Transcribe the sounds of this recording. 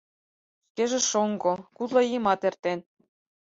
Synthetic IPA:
ʃkeʒĕʃoŋɡokut̪lɑjimɑt̪ert̪en

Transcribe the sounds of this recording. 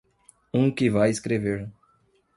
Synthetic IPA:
ũkɪvajɪskɾeveɾ

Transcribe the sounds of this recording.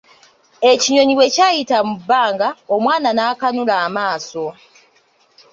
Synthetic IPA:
e̞ciɲo̞ɲiwe̞caːjitamubːaːŋɡaomwaːnanaːkanulaːmaːso̞

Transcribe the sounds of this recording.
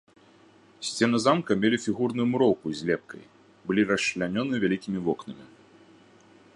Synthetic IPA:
sʲt͡sʲɛnɨzamkɐmʲelʲifʲiɣurnujumuɾɔwkuzʲlʲɛp̚kɐ̰j | bɨlʲiɾɐɕlʲanʲɔnɨvʲalʲikʲimʲivɔknɐmʲi

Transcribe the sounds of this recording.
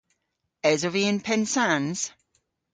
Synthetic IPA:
ɛzoviə̃npʰɛnsãnz̥

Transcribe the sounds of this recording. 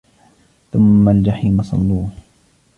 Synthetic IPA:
θʊmːald͡ʒaħiːmɑsˤɑ̰lːuː

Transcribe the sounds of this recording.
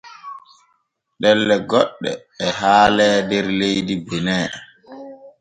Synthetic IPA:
ɗɛlːɛɡɔɗːɛ̰ː | haːlɛːdɛɾlejdibɛnɛː

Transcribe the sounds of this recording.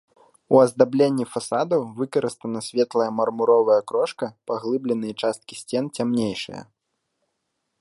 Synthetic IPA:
uɐzd̪ablʲenʲːifasad̪ɐwvɨkɐɾɨst̪ɐnɐsʲvʲɛt̪lˠɐjɐmɐrmuɾɔvɐjɐkɾɔʂkɐpaɣlˠɨblʲɛnɨjɐt͡ʂast̪̚kʲisʲt͡sʲɛnt͡sʲamnʲejʂɨ̰jɐ̰

